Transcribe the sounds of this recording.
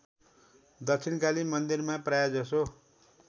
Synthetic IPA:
d̪ʌkt͡sʰinkalimʌnd̪irmaprajad͡zʌso

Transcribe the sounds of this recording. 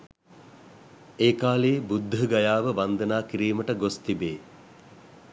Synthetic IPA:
eːkaːleːbud̪ʱːəɡajaːʋəʋand̪ənaːkiɾiːməʈəɡost̪ibeː

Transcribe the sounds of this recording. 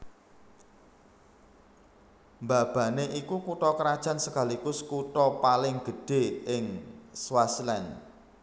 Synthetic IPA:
mba̤b̥a̤neʔikukuʈɔkɾad̥ʒ̥ä̤nsəkalikʊskuʈɔpalɪŋɡ̥ə̤ɖ̥e̤ɪŋswaslɛn

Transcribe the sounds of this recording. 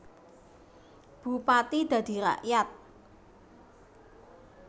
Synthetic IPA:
b̥ṳpat̪id̪̥ä̤d̪̥i̤ɾa̰ʔjat̪̚

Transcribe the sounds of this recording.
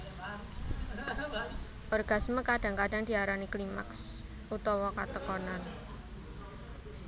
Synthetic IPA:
ʔɔrɡ̥asməkadaŋkadaŋdiaɾaniklima̰ks | ʔut̪ɔwɔkat̪əkɔnan

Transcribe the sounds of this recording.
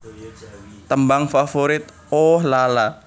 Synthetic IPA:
t̪əmbaŋfafoɾɪt̪̚ | ɔhlala

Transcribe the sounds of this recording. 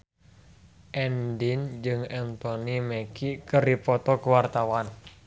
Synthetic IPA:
ʔɛndind͡ʒɨŋɛnt̪onimɛkikəɾipɔt̪ɔkuwart̪awan

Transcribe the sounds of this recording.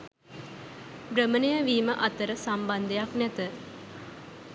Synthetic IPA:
bɾəmənejəʋiːməʔat̪əɾəsamband̪ejaknɛt̪ə

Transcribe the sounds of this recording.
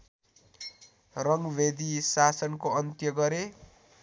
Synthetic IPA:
rʌŋɡbʱed̪isasʌnkoʌnt̪jʌɡʌɾe

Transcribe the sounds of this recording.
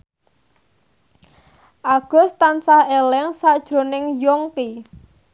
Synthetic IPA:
ʔaɡ̥ɔ̤st̪ansahelɛŋsaʔd̥ʒ̥ɾo̤nɪŋjɔŋki

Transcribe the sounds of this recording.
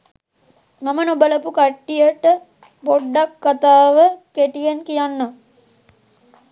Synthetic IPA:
mamənobələpukaʈːijəʈə | poɖːakːat̪aːʋəkeʈijenkijanːa

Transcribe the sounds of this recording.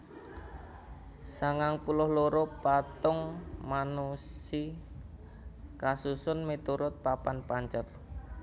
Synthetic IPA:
saŋaŋpulʊhloɾopat̪ʊŋmanusi | kasusʊnmet̪uɾʊt̪̚papanpaɲt͡ʃər

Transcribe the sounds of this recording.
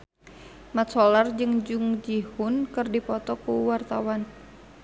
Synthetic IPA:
mat̪̚sɔlard͡ʒɨŋd͡ʒuŋd͡ʒihʊnkɨrdipɔt̪ɔkuwart̪awan

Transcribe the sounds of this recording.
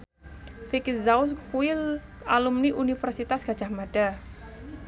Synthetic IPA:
fikizauskuɪl | alumniʔunifərsit̪asɡ̥a̤̥d͡ʒ̥a̤hmad̥a

